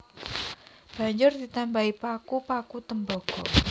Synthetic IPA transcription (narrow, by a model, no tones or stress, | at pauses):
b̥a̤ɲd͡ʒʊrd̪̥it̪ambaipakupakut̪əmbɔɡ̥ɔ